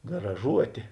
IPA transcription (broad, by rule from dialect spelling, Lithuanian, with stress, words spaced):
ɡrɐˈʒuɔtʲeː